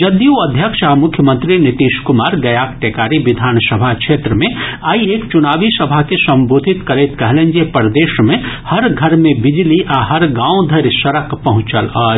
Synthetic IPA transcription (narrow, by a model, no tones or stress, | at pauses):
d͡ʒɐd̪juɐd̪ʱjəkʃamʊkʰjəmə̃nt̪ɾinɪt̪iːʃkʊmaːɾɡɐjaːkʈeːkaːɾiʋɪd̪ʱaːnsəbʱakʃʰeːt̪ɾəmẽaːieːkt͡ʃʊnaːʋisɐbʱakesɐ̃mboːd̪ʱɪt̪kɐɾeːt̪kɛɦlẽɲd͡ʒepəɾd̪eːʃmẽhɐɾɡʱɐɾmẽbɪd͡ʒliʔaːɦɐɾɡãːõd̪ʱɐɾsɐɾəkpɐɦʊ̃t͡ʃəlɔː